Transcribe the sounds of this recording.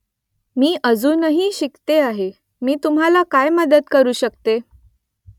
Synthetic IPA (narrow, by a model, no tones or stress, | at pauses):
miːʔəd͡zuːnəɦiːɕikt̪eaɦe | miːt̪um̤ɦalakajməd̪ət̪̚kəɾuːɕək̚t̪e